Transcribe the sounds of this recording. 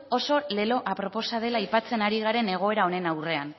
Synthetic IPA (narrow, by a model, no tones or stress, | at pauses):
o̞so̞le̞lo̞ʔapɾo̞po̞sað̞e̞lajpat͡se̞naɾiɣ̞aɾe̞ne̞ɣ̞o̞e̞ɾao̞ne̞nawre̞an